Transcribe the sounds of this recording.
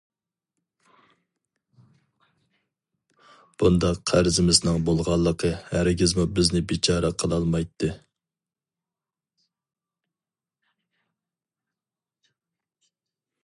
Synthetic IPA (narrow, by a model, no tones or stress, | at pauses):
b̥und̪ɑqʰːæɾzɪmɪznɨŋbolˠʁɑlˠːəqʰəhæɾɪɡʲɪzmubɪznɪbit͡ʃʰɑːɾɛqʰəlˠɑlˠmɑjt̪ʰːɨ